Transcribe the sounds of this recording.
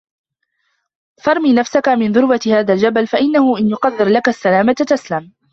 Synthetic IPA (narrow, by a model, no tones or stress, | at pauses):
fɑɾˤmiːnafsakamɪnðʊɾwat̪haːðald͡ʒabalfaʔɪnːahʊʔɪnjʊqɑðːɪɾlakasːalaːmat̪t̪aslam